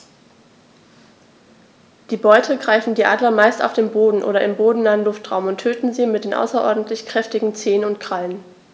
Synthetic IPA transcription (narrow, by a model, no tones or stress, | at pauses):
d̥iːbɔʏtʰəɡʁaɪfn̩diːʔa̰ːdlɐmaɪsta̰ʊfd̥eːnboːdn̩ʔo̰ːɾɐʔɪmboːdn̩naːənlʊftʁ̥aʊmʊntʰːøːtn̩ziːmɪt̚d̥eːnʔa̰ʊsɐʔɔ̰ɐdn̩tlɪçkʁ̥ɛftɪɡŋ̩t͡seːənʊntkʁ̥alən